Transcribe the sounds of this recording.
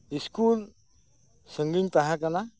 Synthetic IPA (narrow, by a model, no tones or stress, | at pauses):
diskul | səŋɡɪɲt̪aɦakana